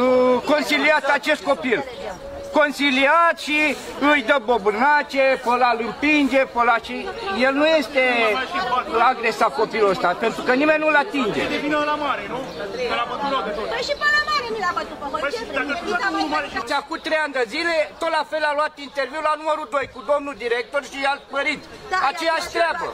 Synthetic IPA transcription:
ko̞nsiliat̪at͡ʃe̞st̪̚ko̞pil | ko̞nsiliat̪ʃi | ɨjd̪əbobɨrnat͡ʃepəlalɨmpind͡ʒepəlaʃije̞lnujest̪e̞ | aɡɾe̞sat̪̚ko̞pilost̪ape̞nt̪ɾukənime̞nʲnulat̪ind͡ʒed̪evinəɨlamaɾenuəlapopilokʃipəaaɾe | d̪a | t͡ʃafkut̪ːɾejand̪ezile̞t̪ot̪lafe̞laluat̪int̪erviwlanuməɾud̪o̞jkud̪o̞mnud̪iɾek̚t̪orʃialpəɾit̪ | at͡ʃe̞jaʃt̪ɾabə

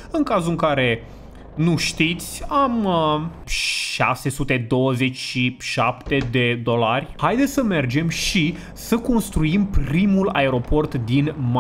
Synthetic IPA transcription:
ɨŋkazuɨŋkaɾe̞ | nuʃt̪it̪sʲam | ʃa̰se̞sut̪e̞d̪o̞wəze̞t͡ʃʲʃiʃa̰pt̪e̞d̪e̞d̪o̞larʲhajd̪esəme̞rd͡ʒe̞mʃi | səko̞nst̪ɾuimprimula̰e̞ɾo̞po̞rt̪d̪inma

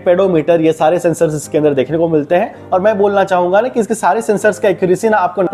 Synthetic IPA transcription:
peːɽomiːʈəɾjesaːɾesɛ̃ːnsəɾzɪskeɐ̃nd̪əɾd̪eːkʰnekomɪlt̪eɦɛ̃ː | ɔːɾmɛ̃ːboːlnat͡ʃaːɦũːŋɡanakiɪskesaːɾesɛ̃nsəɾzkaekɾisinaaːp̚kon

